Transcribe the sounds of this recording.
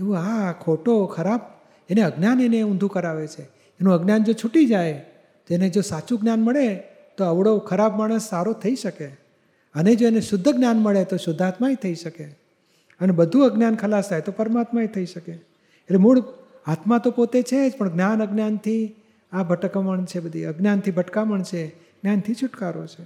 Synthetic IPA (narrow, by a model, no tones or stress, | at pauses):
eʋũakʰoʈokʰəɾab̚ | eneəɡnjaneneũnd̪ʱũkəɾaʋet͡ʃʰe | enũəɡnjand͡ʒot͡ʃʰuʈid͡ʒaj | t̪oened͡ʒosat͡ʃũɡnjanməɭe | t̪oəʋɽokʰəɾabmaɽ̃əsːaɾot̪ʰəiʃəke | əned͡ʒoeneʃʊd̪ʱːəɡnjanməɭet̪oʃʊd̪ʱːat̪maet̪ʰəiʃəke | ənebəd̪ʱuəɡnjankʰəlast̪ʰajt̪opəɾmat̪maet̪ʰəiʃəke | etlemuɭ | at̪mat̪opot̪et͡ʃʰed͡ʒpəɳɡnanəɡnjant̪ʰi | abʱəʈkəməɳt͡ʃʰebəd̪ʱiəɡnjant̪ʰibʱəʈkaməɳt͡ʃʰe | ɡ̥njant̪ʰit͡ʃʰʊʈkaɾo̰t͡ʃʰe